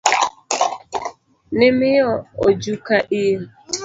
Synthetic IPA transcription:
nɪmɪjɔod͡ʒukaʔi

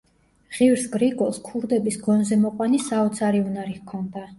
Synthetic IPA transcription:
ʁ̥ivɾsɡɾiɡʼɔlˠskʰuɾd̪ɛbisɡɔnzɛmɔqʼwanisaɔt̪sʰaɾiunaɾihkʰɔnd̪a

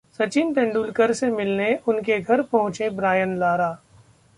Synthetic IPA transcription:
sɐt͡ʃiːnt̪ɛ̃ɳɖuːlkəɾsemɪlneʔʊnkeɡʱɐɾpɐɦʊ̃t͡ʃebɾaːjənlaːɾaː

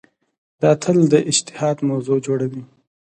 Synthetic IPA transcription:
d̪̥ɑt̪ʰəld̪əʔɪd͡ʒt̪ɪ̥hɑd̪mawzod͡ʒoɽawi

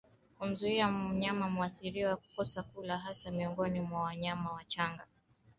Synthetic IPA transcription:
kum̩zuiaɲamamuaθiɾiɔwaku̥kɔsakulaɦasamiɔŋɡɔnimwawaɲamawat͡ʃaŋɡa

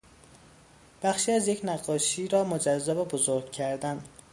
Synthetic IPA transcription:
b̥æxʃiːæzjecʰnæɡɒːʃiːɾɒːmod͡ʒæzːæbebozoɾɡcʰæɾd̪æn

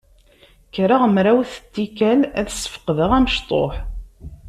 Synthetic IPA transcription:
kɾəʁmɾæwθə̥t̪ːikælæðəsːə̥fə̥qːðəʁænəʃt̪ˤo̰ħ

